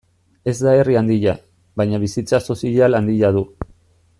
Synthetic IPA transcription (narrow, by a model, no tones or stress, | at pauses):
e̞zd̪ae̞riand̪iʎa | βajɲaβ̞isit͡saso̞siʎaland̪iʎað̞u